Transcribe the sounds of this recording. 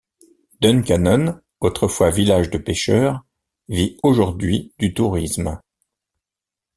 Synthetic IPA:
d̪ɔnkanɔn | ot̪χəfwavilaʒd̪əpeʃœʁ | vioʒuʁd̪ɥid̪̥yt̪uʁism

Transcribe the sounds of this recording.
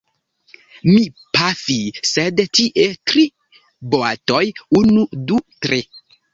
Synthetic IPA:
mi | pafisedtiʔetɾi | boa̰tojunudutɾe

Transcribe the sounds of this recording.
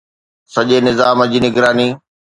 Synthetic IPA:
sɐʄenɪzaːməd͡ʑiːnɪɡɾaːniː

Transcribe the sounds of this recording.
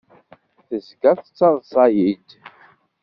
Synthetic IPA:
θəzɡæθət͡sːɑðˤsˤɑjid̪

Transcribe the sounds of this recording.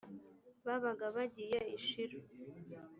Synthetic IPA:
βaβaɡaβaɟijeiʃiɾo

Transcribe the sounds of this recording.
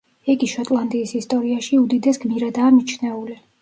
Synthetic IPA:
ɛɡiʃɔt̪ʼlˠand̪iːsist̪ʼɔɾiaʃiud̪id̪ɛsɡ̥miɾad̪aːmit͡ʃʰnɛuli

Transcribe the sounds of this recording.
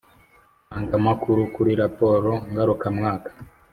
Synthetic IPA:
aŋɡamakuɾukuɾiɾapo̞ɾo̞ŋɡaɾukamŋaːkḁ

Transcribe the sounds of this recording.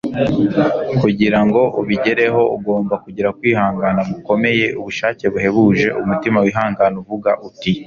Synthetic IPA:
kuɟiɾaŋɡo̞ʔuβiɟe̞ɾe̞ɦo̞uɡo̞ːmbakuɟiɾakwiːhaːŋɡanaβuko̞me̞je̞ʔuβuʃaːce̞βuɦe̞βuːʒe̞ʔumutimawiɦaːŋɡanuvuɡaʔuti

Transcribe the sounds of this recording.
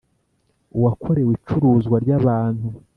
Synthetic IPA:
uwakʰo̞ɾe̞wit͡ʃuɾuːzɡwaɾɟaβaːnhu

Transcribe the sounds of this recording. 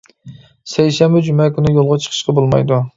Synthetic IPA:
sɛjʃɛmbɛd͡ʒymɛkʲynɪjolˠʁɑt͡ʃʰə̥qʰə̥ʃqɑbolˠmɑ̰jd̪u

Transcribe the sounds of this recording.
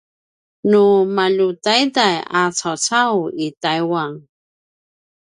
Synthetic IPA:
numaʎutajdajat͡sawt͡sawitajwaŋ

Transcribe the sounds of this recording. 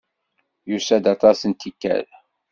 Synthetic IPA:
jusæd̪ɑt̪ˤɑsənt̪ikːæ̰ɾ

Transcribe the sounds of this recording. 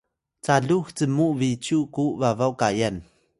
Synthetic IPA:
t͡saɮuht͡səmuʔvit͡sʰuʔkuʔvavawkajan

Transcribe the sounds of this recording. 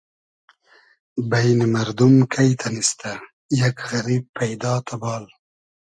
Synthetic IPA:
bajnimaɾd̪umkʰajt̪ʰanist̪a | jakɣɐɾiːb̚pʰːajd̪ɑːt̪ʰabɑːl

